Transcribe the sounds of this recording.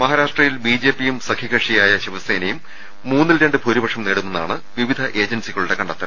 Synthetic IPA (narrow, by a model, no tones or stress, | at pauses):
mɐɦaːɾaːʂʈrɐjilbiːd͡ʑe̞ːpːijumsɐkʰiɣɐʂijaːjɐɕiʋɐseːnɐjumː | uːnːilɾeɳɖɨpʰuːɾibɐʂɐmneːɽunːenːa̰ːɳɨʋiʋid̪ʱɐʔe̞ːd͡ʑɐnsiɣɐɭuɽe̞kɐɳɖɐt̪ːɐ